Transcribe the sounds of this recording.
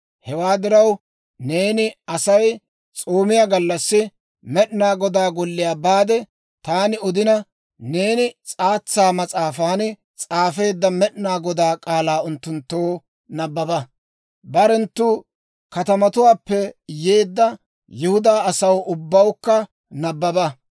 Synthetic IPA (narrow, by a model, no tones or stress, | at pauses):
hɛwaːd̪ɪɾɐw | ne̞ːnɪɐsɐj | t͡sʼoːmɪjaːɡɐlːɐsːɪ | mɛɗnaːɡɔd̪aːɡɔlːɪjaːbaːd̪ɛ | t̪aːnɪɔd̪ɪnɐ | ne̞ːnɪt͡sʼaːt͡sːaːmɐt͡sʼaːfaːn | t͡sʼaːfe̞ːd̪ːɐmɛɗnaːɡɔd̪aːkʼaːlaːʊnt̪ːʊnt̪ːoː | nɐbːɐbɐ | bɐɾɛnt̪ːu | kɐt̪ɐmɐt̪ʊwaːpːɛje̞ːd̪ːɐ | jɪhʊd̪aːɐsɐwʔʊbːɐwkːɐ | nɐbːɐbɐ